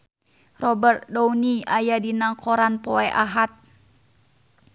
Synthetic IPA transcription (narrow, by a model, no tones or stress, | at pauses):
rɔbərt̪̚dɔwniajadinaŋkɔɾanpɔɛʔaɦat̪̚